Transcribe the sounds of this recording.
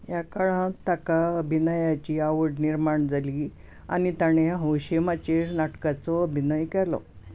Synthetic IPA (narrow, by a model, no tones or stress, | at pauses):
jakaɭãt̪akaəbʱinajat͡ɕiaʋəɽniɾmaɳd͡zaliː | a̰ñit̪aɽ̃eɦə̃wɕemat͡ɕeɾnaʈkat͡sɔəbʱinəjkɛlɔ̰